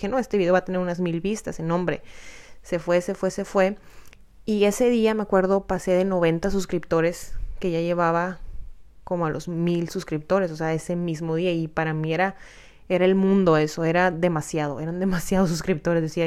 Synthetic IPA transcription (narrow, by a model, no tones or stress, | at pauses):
xe̞no̞e̞st̪eβiðeat̪e̞ne̞ɾunazmilβist̪asenõmbɾe̞̰se̞fwe̞se̞fwe̞se̞fwe̞ | ie̞se̞ðiame̞akwe̞ɾðo̞pase̞ðe̞no̞β̞e̞nt̪asuskɾipt̪o̞ɾe̞ske̞ʝaʝe̞βaβa | ko̞moalʔo̞zmilsuskɾip̚t̪o̞ɾe̞s̬ose̞ae̞se̞mizmo̞ð̞iaipaɾamie̞ɾa | eɾaelmũnd̪o̞e̞so̞e̞ɾaðe̞masjað̞o̞̰ʔe̞ɾand̪e̞masjað̞os̬uskɾip̚t̪o̞ɾe̞zðesia